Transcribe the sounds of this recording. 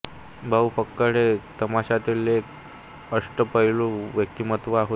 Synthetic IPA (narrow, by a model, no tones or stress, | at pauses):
bʱaufəkːəɽet̪əmaɕat̪ilek | əʂʈəpəɦiloʋjək̚t̪imət̪ʋəaɦo